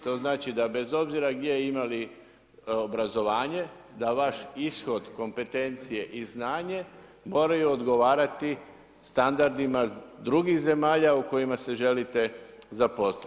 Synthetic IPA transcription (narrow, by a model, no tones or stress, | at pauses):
t̪o̞ːznaːt͡ʃid̪abe̞zo̞bziɾaɡd̪jeimali | obɾazo̞ʋaːɲe̞ | d̪aʋaʃisxo̞d̪ko̞mpe̞t̪e̞nt̪sije̞ʔiznaːɲe̞ | mo̞ːɾajuod̪ɡo̞ʋaːɾat̪i | st̪and̪aɾd̪imad̪ɾuɡiɣze̞maːʎauko̞jimase̞ʒe̞lit̪e̞zapo̞sa